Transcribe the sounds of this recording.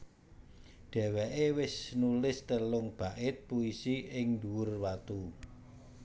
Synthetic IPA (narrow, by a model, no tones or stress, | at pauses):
ɖ̪̥ɛ̤wɛʔewɪsnulɪst̪əlʊŋb̥a̤ʔɪt̪̚puisiʔɪŋd̪uwʊrwat̪u